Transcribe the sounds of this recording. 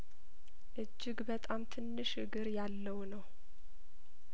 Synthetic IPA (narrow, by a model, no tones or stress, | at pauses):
ʔɨd͡ʒːɪɡbət̪ʼamt̪ʰɨnːɨʃɨɡɨɾjalːəwnəw